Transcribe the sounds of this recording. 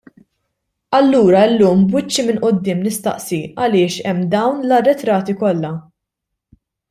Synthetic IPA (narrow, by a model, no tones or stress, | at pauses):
ɐlːuːɾɐɪlːuːmbwɪt͡ʃːimɪnʔʊd̪ːɪːmnɪst̪ɐ̰ʔsiɐlɪːʃɛmːd̪ɐwnlɐrːɛt̪ɾɐːt̪ikɔlːɐ